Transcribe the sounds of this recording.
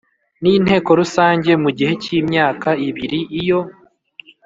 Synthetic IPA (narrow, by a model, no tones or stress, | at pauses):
niːn̥he̞ːko̞ɾusaːɲɟe̞muɟihe̞cimɲaːkaiβiɾiʔijo̞